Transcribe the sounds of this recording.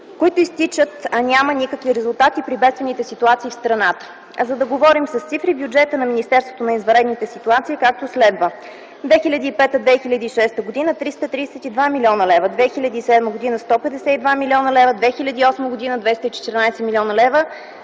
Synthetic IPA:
koit̪ʊist̪it͡ʃət̪ɐnʲamənikəkviɾɛzʊlˠt̪at̪ipɾibɛt̪st̪vənit̪ɛsit̪uat̪siːfst̪ɾɐnat̪ə̥ | zɐd̪ɐɡovɔɾimsəst̪sifɾibjud͡ʒɛt̪ənɐminist̪ɛɾst̪vot̪onɐizvɐɾɛd̪nit̪ɛsit̪uat̪siikak̚t̪oslɛd̪və | d̪vɛxilʲəd̪iːpɛt̪əd̪vɛxilʲəd̪iːʃɛst̪əɡod̪inət̪ɾist̪ət̪ɾisɛt̪id̪vamilʲiɔnəlɛvəd̪vɛxilʲəd̪iːsɛd̪məɡod̪inəst̪ɔpɛd̪ɛsɛid̪vamilʲiɔnəlɛvəd̪vɛxilʲəd̪iːɔsməɡod̪inəd̪vɛst̪əit͡ʃɛ̥t̪ɛɾnajsɛmilʲɔnəlɛvə

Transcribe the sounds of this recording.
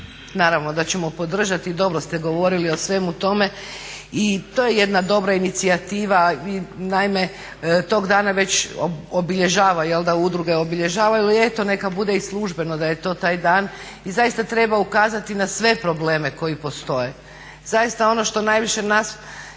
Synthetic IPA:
naːɾaʋno̞d̪at͡ɕe̞mo̞po̞d̪r̩ʒat̪iːd̪o̞bɾost̪eɡo̞ʋo̞ɾilio̞sʋe̞mut̪o̞me̞it̪ojeje̞d̪nad̪o̞bɾainit̪siat̪iːʋainaime̞ | t̪o̞ɡd̪aːnaʋe̞t͡ɕoobiʎe̞ʒaːʋajelˠd̪aud̪ɾuɡe̞obiʎe̞ʒaːʋailet̪o̞ne̞kabud̪e̞islˠuʒbe̞nod̪ajet̪o̞ːt̪aːjd̪aːn | izajist̪at̪ɾe̞baukaːzat̪inasʋe̞pɾo̞bleːme̞ko̞ipo̞st̪o̞je̞ | z̥ajist̪ao̞no̞ʃt̪o̞najʋiʃe̞nas

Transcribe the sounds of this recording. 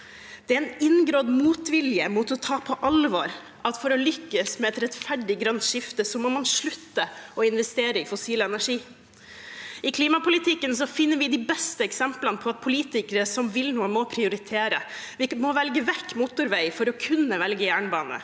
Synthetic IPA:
d̪̥ɛæɾɛnɪnɡɾoːd̪muːt̪ʋɪljəmʊt̪ɔt̪ʰɑːpʰɔʔɑlʋɑɾ | ɑt̪fɔɾɔlʏkːəsmɛɛt̪ɾɛt̪fæɖɪɡɾɑnʃɪft̪əsɔmɔmɑnʂɭʉt̪ːəɔɪnʋɛst̪eːɾəɪfʊsiːlɛnæʂiː | ɪkʰliːmɑpʊlɪt̪ʰɪkːənsɔfɪnːəɾʋɪd̪ɪbɛst̪əɛksɛmplənəpʰɔɑt̪̚pʰʊliːt̪ɪkəɾəsɔmʋɪlnuːənmɔpʰɾɪʊɾɪt̪ʰeːɾəʋɪmɔʋɛlɡəʋɛkːmʊt̪ʊɾʋæɪfɔɾɔkʰʉnːəʋɛlɡəjæːɳəbɑ̰ːnə̰

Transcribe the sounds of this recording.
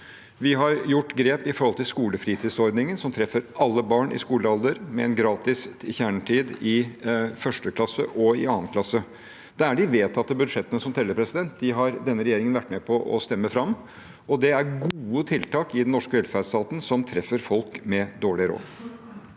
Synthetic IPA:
ʋɪɦɑɾjʊʈːɡɾeːpɪfɔɾhɔlt̪ʰɪlskuːləfɾiːt̪ʰiːd̪sɔɾd̪nɪŋənsɔmt̪ʰɾɛfːəɾʔɑlːəbɑːɳʔɪ̰skuːləɑld̪əɾmɛɛnɡɾɑːt̪ɪsɪçæːɳʈʰiːd̪ɪfœʂʈəkʰlɑsːə̰ʔɔɪ̰ɑːnkʰlɑsːə | d̪̥ɛæɖɪʋeːt̪ʰɑt̪ːəbʉd̪ʂɛt̪ːənəsɔmt̪ʰɛlːəɾpʰɾɛsɪd̪ɛnt̪̚d̪ɪɦɑɾd̪ɛnːəɾɛjeːɾɪŋənʋæʈːmeːpʰɔʔɔ̰st̪ɛmːəfɾɑmː | ɔd̪ɛæɾɡuːət̪ʰɪlt̪ɑːkɪd̪ɛnnɔʂkəʋɛlfæst̪ɑːt̪ən̩sɔmt̪ʰɾɛfəɾfɔlkmɛd̪oːɭɪɾo̰ː

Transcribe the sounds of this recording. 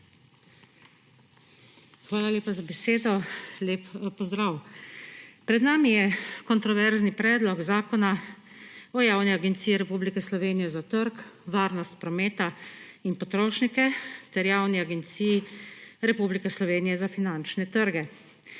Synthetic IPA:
xʋaːlalʲeːpazabɛseːd̪ɔlʲeːppɔzd̪ɾaːw | pɾɛd̪naːmijɛkɔnt̪ɾɔʋɛɾznipɾɛːd̪lɔɡzaːkɔna | ɔjaːwniaɡɛnt̪sijɛɾɛpublikɛslɔʋeːnijɛzat̪əɾkʋaːɾnɔst̪̚pɾɔmeːt̪ainpɔt̪ɾoːʃnikɛt̪ɛɾjaːwniaɡɛnt̪siːjiɾɛpublikɛslɔʋeːnijɛzafinant͡ʃnɛt̪əɾɡɛ

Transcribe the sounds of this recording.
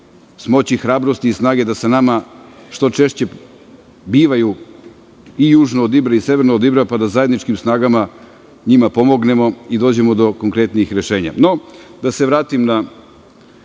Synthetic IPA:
smo̞t͡ɕixɾaːbɾost̪iːsnaːɡe̞d̪asanamaʂt̪o̞t͡ʃe̞ʃt͡ɕe̞ | biːʋaju | ijuːʒnoːd̪ibɾaise̞ʋeɾnood̪ibɾapad̪azaje̞d̪nit͡ʃkimsnaːɡama | ɲimapo̞mo̞ɡne̞mo̞id̪o̞ːd͡ʑe̞mo̞d̪o̞koŋkɾe̞t̪niixɾe̞ʃe̞ːɲa̰no̞d̪aseʋɾaːt̪imna

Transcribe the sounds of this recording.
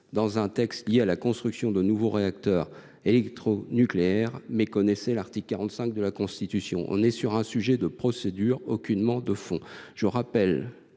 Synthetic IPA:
d̪ɑ̃zɛ̃t̪ɛkst̪ljealakɔ̃st̪χyksjɔ̃d̪ənuvoʁeak̚t̪œʁ | elɛkt̪χonykleɛʁmɛkɔnɛsɛlaʁt̪ikːaʁɑ̃t̪sɛ̃k̚d̪əlakɔ̃st̪it̪ysjɔ̰̃ʔɔ̰̃nɛsyʁɛ̃syʒɛd̪əpχɔsed̪yʁokʲynmɑ̃d̪əfɔ̃ʒ̥əʁapɛl

